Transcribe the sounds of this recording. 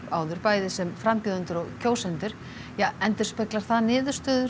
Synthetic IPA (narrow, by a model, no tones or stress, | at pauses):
a̰ːwðʏɾpaːjðɪsɛmfɾampjuːðant̪ʏɾɔɣcʰoːwsɛnt̪ʏɾ̥ | jaɛnt̪ʏɾ̥spɛklaɾ̥θaðnɪːðʏɾ̥st̪œːðʏ